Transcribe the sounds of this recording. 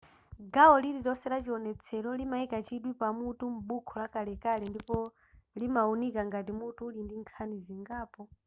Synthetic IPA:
ɡaɔlilitɔsɛɾat͡ʃiɔnɛt͡sʰɛɾɔlimaikat͡ʃiɗwipamutum̩ɓukʰɔlakalɛkalɛndipɔ | limaunikaŋɡatimutulindiŋkʰaniziŋɡaːpɔ

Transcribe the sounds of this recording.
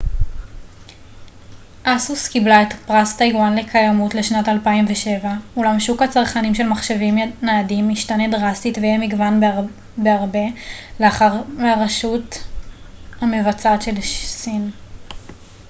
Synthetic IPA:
ʔasuskiblaetpʁastajwanle̞kʰajamutle̞ʃnatalpaimveʃe̞vaulamʃukhat͡saʁχanimʃe̞lmaχʃevimnaːdimiʃtanedʁastitvejemiɡvan | beaʁbe̞leaχaʁmeaʁaʃut | hame̞vat͡satʃe̞lsin

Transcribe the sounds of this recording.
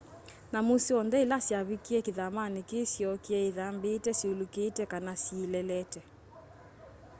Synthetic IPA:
namusiɔndɛilasjaβikiɛkiðamanikesjɔkiɛiðambeːtɛsulukeːtɛkanasːlɛlɛtɛ

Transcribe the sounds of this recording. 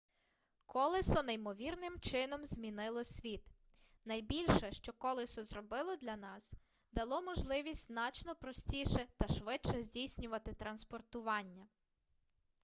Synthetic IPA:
kɔlˠɪsɔnɐjmɔʋʲirnɪmt͡ʃɪnɔmzʲmʲinɪlˠɔsʲʋʲit̪ | nɐjbʲilʲʃɛʃt͡ʃɔkɔlˠɪsɔzɾɔbɪlˠɔd̪lʲɐnɑs | d̪ɐlˠɔmɔʒlˠɪʋʲisʲtʲznɑt͡ʃnɔpɾɔsʲtʲiʃɛt̪ɐʃʋɪt͡ʃɛzʲdʲijsʲnʲʊʋɐt̪ɪt̪ɾɐnspɔrt̪ʊʋɑnʲːɐ

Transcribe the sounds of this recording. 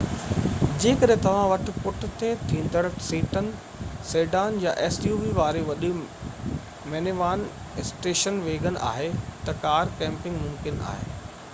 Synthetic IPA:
d͡ʑeːkɐɗɦɪ̃t̪ɐʋ̤ãʋɐʈʰɪ̆pʊʈɪ̆t̪ʰet̪ʰĩːnd̪ʱəɽsiːʈən | seːɖaːnjaʔeːsjuːʋiʋaːɾeʋɐɗɪ̆ | meːneʋaːn | ɪsʈeːʃənʋeːɡʱənʔa̰ːɦet̪ɐkaːɾkɛ̃ːmpɪ̃ŋɡmʊmkɪna̰ːɦḛː

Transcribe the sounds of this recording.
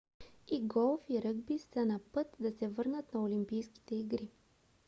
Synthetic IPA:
iɡɔlˠfiɾɤɡbisənɐpɤt̪d̪ɐsɛvɤɾnət̪nɐolimpijski̥t̪ɛiɡɾi

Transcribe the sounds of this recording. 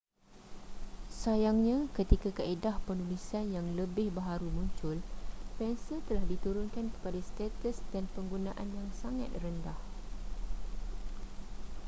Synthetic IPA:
sajaŋɲãkət̪ikakaedahpənulisanjaŋləbɪhbəɦaɾumũɲt͡ʃʊlpɛnsət̪əlahdit̪uɾʊnkankə̥padast̪ɛt̪əsdanpəŋɡunãʔanjaŋsaŋa̰t̪̚rəndah

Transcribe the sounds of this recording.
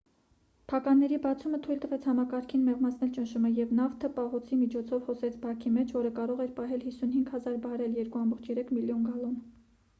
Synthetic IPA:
pʰɑkɑnːɛɾibɑt͡sʰumət̪ʰujlt̪əvɛt͡sʰhɑmɑkɑɾkʰinmɛʁmɑt͡sʰnɛlt͡ʃənʃuməjɛvnɑft̪ʰəpɑɦɔt͡sʰimit͡ʃʰɔt͡sʰɔvhɔsɛt͡sʰbɑkʰimɛt͡ʃʰvɔɾəkɑɾɔʁɛɾpɑɦɛlhisun̪hiŋɡhɑzɑɾbɑɾɛljɛɾkuɑmbɔχt͡ʃʰjɛɾɛkʰmiljɔnɡɑlɔn

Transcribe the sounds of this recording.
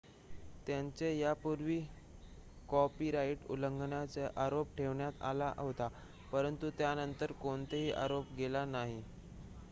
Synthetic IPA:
t̪jaɲt͡sejapuɾʋiː | kɔpiːɾaiʈṵləŋɡɳjat͡seʔaɾopʈʰeʋɳjat̪a̰la̰ʔɦot̪a | pəɾənt̪ut̪janənt̪əɾkoɳt̪eɦiːʔa̰ɾopɡelanaɦi

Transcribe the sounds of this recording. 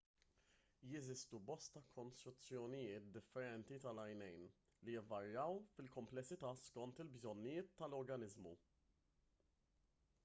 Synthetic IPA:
jɛzɪst̪ubɔst̪ɐkʰɔnst̪ɾʊt͡sːjɔnɪjɪːt̪̚d̪ɪfːɛɾɛnt̪it̪ɐlɐjnɛjn | lijɛvːɐɾjɐwfɪlkɔmplɛsːɪt̪ɐːskɔnt̪ɪlbzɔnːɪjɪːt̪ːɐlɔɾɡɐnɪzmṵ

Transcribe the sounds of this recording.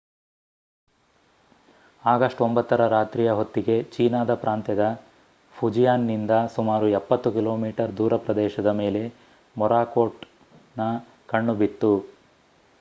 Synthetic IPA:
aːɡɐʂʈo̞mbɐt̪ːɐɾɐɾaːt̪ɾijɐɦo̞t̪ːiɡe̞t͡ʃiːnaːd̪ɐpɾʔaːnt̪jɐd̪ɐ | pʰud͡ʒijaːnːind̪ɐsumaːɾuɛpːɐt̪ːukilo̞ːmiːʈɐɾd̪uːɾɐpɾɐd̪ɛːʃɐd̪ɐme̞ːle̞ | mɔɾaːkoːʈ | nɐ | kɐɳːubit̪ːu

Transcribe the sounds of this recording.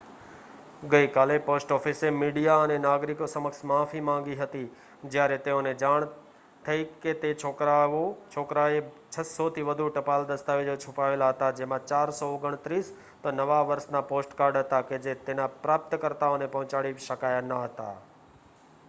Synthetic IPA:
ɡəikaːlepoːsʈɔːfʰisemiːɖijaənenaːɡɾɪkosəməksmãːfʰimãŋɡiɦət̪i | d͡ʒjaːɾet̪eõned͡ʒaːɽ̃ | t̪ʰəiket̪et͡ʃʰoaot͡ʃʰoːkɾae | t͡ʃʰəsɔt̪ʰiʋəd̪ʱuʈɐpaːld̪əst̪aːʋed͡ʒot͡ʃʰʊpaːʋeːlaɦət̪ad͡ʒemãt͡ʃaːɾsɔoɡəɽ̃t̪ɾiːs | t̪ənəʋaʋəɾsnapoːsʈkaːɾɖɦət̪aked͡ʒet̪eːnapɾaːp̚t̪kəɾt̪aonepɐɦʊ̃t͡ʃaɽiʃəkaːjanəɦət̪a̰

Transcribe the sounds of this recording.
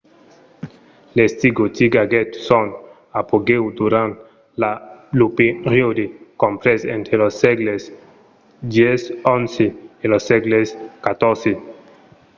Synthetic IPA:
lest̪iɡot̪iɡaɡet̪son | apoɡewd̪uɾant̪ | lalupiɾiod̪ikompɾesḛ̃nt̪ɾelosːeɡles | d̪esonseelosːeɡleskat̪oɾse

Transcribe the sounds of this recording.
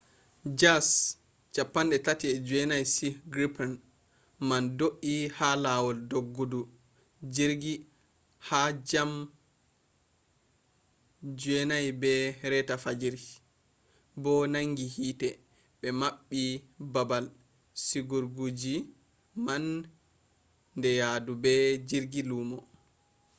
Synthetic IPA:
d͡ʒas | t͡ʃapːanɗɛtatiɛd͡ʒuɛnajsiɡɾipan | mandoʔihalawɔldoɡːudu | d͡ʒiɾɡi | had͡ʒam | d͡ʒuɛnajbɛɾɛtafad͡ʒiɾ | bɔnaŋɡihiːtɛ | bɛmaɓːibabal | siɡuɾɡud͡ʒi | man | dɛjadubɛd͡ʒiɾɡiluːmɔ

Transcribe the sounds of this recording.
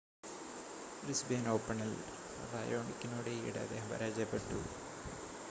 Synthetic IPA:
risbeːnoːpːɐɳɐl | ɐ̰ʋaːjoːɳikʲːinoːɽeiːɽḛɐ̰d̪eːɦɐmʋɐ̰ɾaːd͡ʑɐpːeʈːu

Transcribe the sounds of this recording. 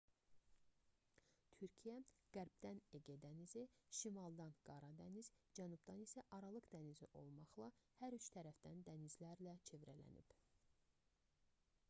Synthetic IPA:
t̪ʰyɾcʰijæɡ̥æɾbd̪æneɡed̪æniziʃimɑlˠd̪ɑnɡ̥ɑɾɑd̪æniz̥d͡ʒænubd̪ɑnisæʔɑɾɑlˠɯqd̪ænizḭʔo̞̰lˠmɑχlˠɑhæɾyt͡ʃt̪ʰæɾæfd̪̥ænd̪ænizlæɾlæt͡ʃʰe̞vɾælæ̰nḭb̥

